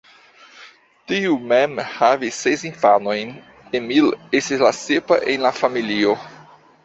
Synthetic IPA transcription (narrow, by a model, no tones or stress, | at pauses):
tiumemhavisːesinfano̞jn | emilestizlasepa̰ʔenlafamilio